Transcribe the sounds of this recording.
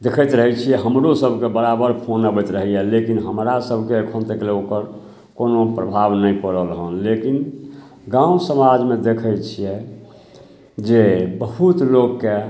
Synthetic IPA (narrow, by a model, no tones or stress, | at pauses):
d̪ekʰət̪ɾəɦɛt͡ʃʰijɛɦəmɾosəbʱkebəɾabəɾpʰonabɛt̪ɾəɦijɛlekinɦəmɾasəbʱkeəkʰənt̪əkleokəɾ | konopɾəbʱabnəjkəɾəlɦənlekin | ɡãusəmad͡ʒmẽd̪ekʰət͡ʃʰijɛ | d͡ʒebəɦut̪loɡːe